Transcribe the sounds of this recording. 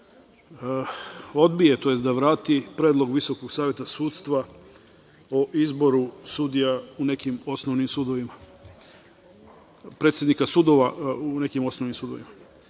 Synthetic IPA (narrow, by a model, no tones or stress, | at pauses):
o̞d̪bije̞t̪o̞je̞st̪d̪aʋɾaːt̪ipɾeːd̪lˠo̞ɡʋiso̞koɡsaːʋje̞t̪asuːt̪st̪ʋa | oʔizbo̞ɾusud̪ijaune̞kimo̞snoʋnimsud̪o̞ʋima | pɾet̪sʲjed̪nikasud̪oʋaune̞kimo̞snoʋnimsud̪o̞ʋḭma